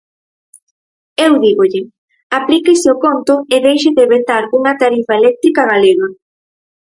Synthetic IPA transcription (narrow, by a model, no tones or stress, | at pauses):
ewðiɣoʎɪ | aplikesɪokont̪ʊeðejʃeðeβent̪aɾuŋɐt̪aɾifaelɛk̚t̪ɾikaɣaleɣa